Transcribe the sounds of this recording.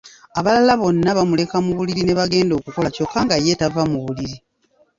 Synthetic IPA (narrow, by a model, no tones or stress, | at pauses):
aβalalaβo̞nːaβamule̞kamuβuliɾine̞βaɡe̞ːndo̞ːkuko̞laco̞kːaŋɡaje̞tavamuβuliɾi